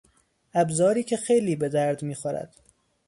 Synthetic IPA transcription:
æbzɒːɾiːcʰexejliːbe̞d̪æɾd̪miːxoɾæ̰d̪̥

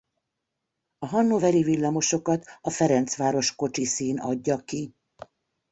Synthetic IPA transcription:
ɒɦɒnːovɛɾivilːɒmo̞ʃo̞kɒt̪ɒfɛɾɛnt̪sʋaːɾo̞ʃko̞t͡ʃisiːnɒ̰ɟːɒki

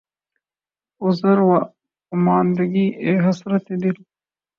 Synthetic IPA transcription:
ʊzɐɾwa | ʊmɑːnd̪ɐɡiʔeɦɐsɾɐt̪ed̪il

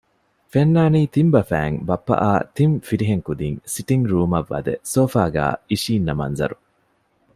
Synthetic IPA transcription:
fenːaːniːt̪imbɐfæ̰ːŋbɐpːɐ̰ʔaːt̪iɱfiɾiɦeŋkud̪iŋsiʈiŋɡɾuːmɐʋːɐ̰d̪ḛsoːfaːɡæ̰ːiʃiːnːɐmɐ̰nzɐ̰ɾu

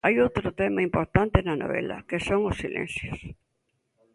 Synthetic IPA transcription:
ajowt̪ɾʊt̪emaimpoɾt̪ant̪enɐno̰βḛlɐ̰kesoŋosːilḛ̃n̟θjos

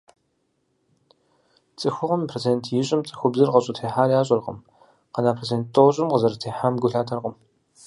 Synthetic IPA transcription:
t͡sʼɨxʷʊʁɐmpʰrot͡sʰeːntʰjɪɕʼɪmt͡sʼɨ̥xʷʊbzɨrqɐɕʼʊtʰeːħaːrjaːɕʼɐrqə̰m | qɐnaːpʰrot͡sʰeːnt̚tʼoɕʼɪmqəzɐɾɐtʰeːħaːmɡʷʊɬaːtʰɐrqʼəm

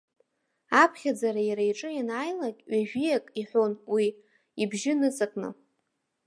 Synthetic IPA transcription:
apʰχʲad͡zaɾajaɾaiʈ͡ʂʼɨjanaːjlakʲʼɥaʒᶣijakʼiħʷonwi | ibʒɪnɨt͡sʼakʼnɨ̰

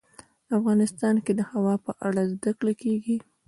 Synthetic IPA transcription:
afɣɑnɪst̪ɑnked̪əhawɑpəʔaɽazd̪akɽakeɡi

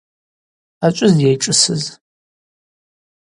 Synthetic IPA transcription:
at͡ʃʷʼʊzdjejʈ͡ʂʼɨsɨz

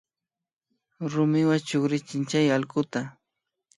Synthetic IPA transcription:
ɾʊmɪwat͡ʃʊχɾɪt͡ʃɪnt͡ʃajalɢʊt̪a

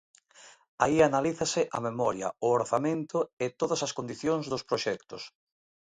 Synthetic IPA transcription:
aianaliθɐsɪʔamemɔɾjɐ̰ʊoɾθamẽnt̪ʊɪt̪oðɐsɐskond̪iθjoŋzðʊspɾoʃɛkt̪ʊs

